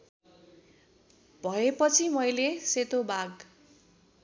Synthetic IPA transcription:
bʱʌepʌt͡sʰimʌjleset̪obaɡ

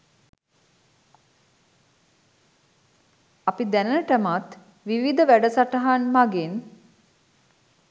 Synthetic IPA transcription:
apid̪ænənəʈəmat̪ | ʋiʋid̪əʋæɖəsaʈəɦanmaɡen

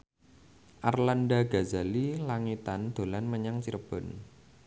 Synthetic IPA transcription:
ʔarlanɖaɡ̥a̤za̤lilaŋit̪and̪̥o̤lanməɲaŋt͡ʃiɾəb̥ɔ̤n

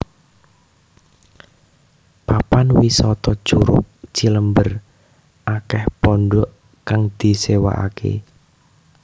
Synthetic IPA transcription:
papanwisɔt̪ɔ̥ʒ̥uɾʊ̰k̚t͡ʃiləmbər | ʔakɛhpɔɳɖɔʔ | kaŋd̪̥i̤sewa̰ʔa̰kḛ

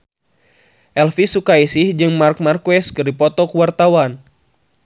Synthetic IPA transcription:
ʔɛlfisukaisihd͡ʒɨŋmark̚markwɛskɨrdipɔt̪ɔkuwart̪awan

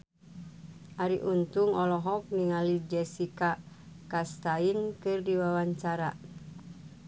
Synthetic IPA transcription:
ʔaɾiʔunt̪uŋɔlɔɦɔk̚niŋalid͡ʒɛsika | kast̪ainkɨrdiwawaɲt͡ʃaɾa

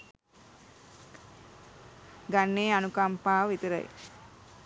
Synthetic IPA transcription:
ɡanːeːanukampaːʋit̪əɾə̰j̰

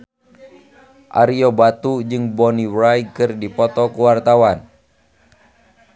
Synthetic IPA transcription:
ʔa̰ɾiɔbat̪ud͡ʒɨŋbɔniwɾajkɨrdipɔt̪ɔkuwart̪awan

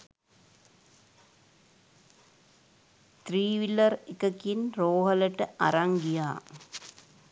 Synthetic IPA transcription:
t̪riːʋilːɐrekːɐkːinroːɦɐlɐʈːɨɐ̰ɾaŋɡijaː

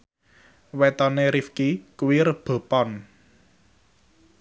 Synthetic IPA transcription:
wet̪ɔneɾifkikuwiɾəb̥o̤pɔn

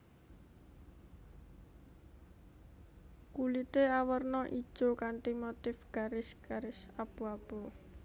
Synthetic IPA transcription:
kulit̪eawərnɔʔḭ̥ʒ̥okant̪imot̪ɪfɡ̥a̤ɾɪsɡ̥aɾɪsab̥uab̥o

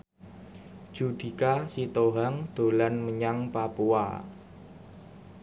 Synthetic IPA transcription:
d̥ʒ̥ṳd̥i̤kasit̪oɦaŋd̪̥o̤lanməɲaŋpapua̰

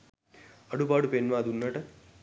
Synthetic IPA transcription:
əɽupaːɽupenʋãːd̪unːəʈ

